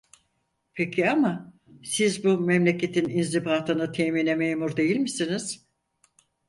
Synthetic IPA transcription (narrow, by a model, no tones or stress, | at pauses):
pʰecʰiama | sizbumemlʲe̞cʰe̞t̪ʰininzibaːt̪ʰɯnɯt̪ʰeminemejmuɾd̪e̞jilʲmisiniz̥